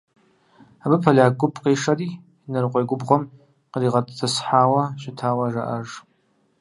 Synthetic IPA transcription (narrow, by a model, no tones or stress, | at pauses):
abɨpʰalʲaːɡʷʊpʰqejʂari | inɨrqʷʼajɡʷʊbʁʷom | qəliʁatʼt͡sasħaːwaʃɪtʰaːwaʐa̰ʔaʐ